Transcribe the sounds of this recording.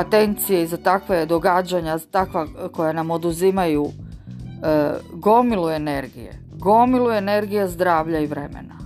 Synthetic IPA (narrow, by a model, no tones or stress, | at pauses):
at̪e̞nt̪sijeizat̪akʋed̪o̞ɡad͡ʑaɲazat̪akʋakojanamo̞d̪uzimaju | ɡo̞milue̞ne̞ɾɡḭjḛ | ɡo̞milue̞ne̞ɾɡijezd̪ɾaːʋʎaiʋɾe̞mḛna